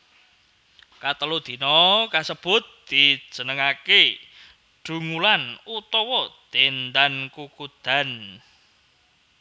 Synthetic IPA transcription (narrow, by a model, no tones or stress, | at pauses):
kat̪əlud̪̥i̤nɔkasəb̥ʊt̪̚d̪̥i̥d͡ʒ̥ʒ̥ə̤nəŋake | ɖ̥ṳŋulanut̪ɔwɔd̪̥end̪ankukud̪̥a̤n